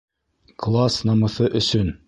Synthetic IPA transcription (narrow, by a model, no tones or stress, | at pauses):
klˠasnɑmɤ̆θɤʔɵ̆sɵn